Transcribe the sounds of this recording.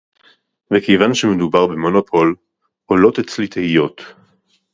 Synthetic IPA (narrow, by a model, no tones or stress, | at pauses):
vekejvanʃemedubaʁbemonopʰo̞l | ʔolo̞tet͡slit̪ehijo̞t